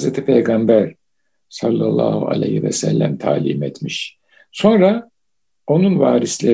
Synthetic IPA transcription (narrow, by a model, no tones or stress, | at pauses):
zɾet̪ʰipʰejɡambæɾ | salˠːalˠːa̰ːhua̰lʲḛjhivɛ̰sɛ̰lʲːæ̰mt̪ʰaːlʲiːmet̪miʃ | so̞nɾa | o̞nunvaːɾislʲe